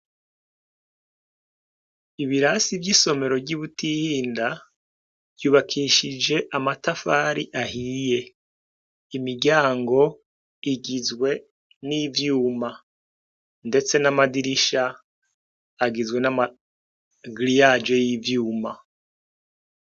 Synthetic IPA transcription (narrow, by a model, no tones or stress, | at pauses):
iβiɾasivɟiso̞me̞ɾo̞vɟiβutihiːnda | v̥juːβakʰiʃid͡ʒe̞ʔamatafaːɾiʔaɦije̞ | imiɡɟaːŋɡo̞ | iɡizwe̞ | nivjuːma | nde̞t͡se̞namadiɾiʃa | ɡizwe̞nama | ɡlijad͡ʒe̞jivjuːma